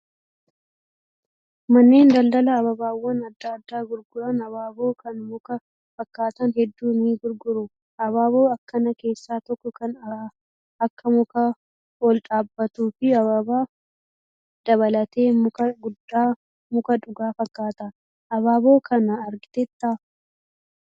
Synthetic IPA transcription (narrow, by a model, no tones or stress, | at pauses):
mɐnːe̞ːnd̪ɐld̪ɐlɐːβɐbaːwːɐnɐd̪ːad̪ːaːɡʊɾɡʊɾɐnɐβaːbo̞ːkɐnmʊkɐ | fɐkːaːt̪ɐnɦɛd̪ːuːniːɡʊɾɡʊɾʊ | ɐβaːbo̞ːɐkːɐnɐke̞ːsːaːt̪ɔkːɔkɐnɐ | ɐkːɐmʊkɐ | ɔlᶑʼaːbːɐt̪uːfɪɐβɐbaː | d̪̥ɐβɐlɐt̪e̞ːmʊkɐɡʊd̪ːaː | mʊkɐᶑʊɡaːfɐkːaːt̪ɐ | ʔɐβaːbo̞ːkʰɐnɐːɾɡɪt̪ɛt̪ːɐ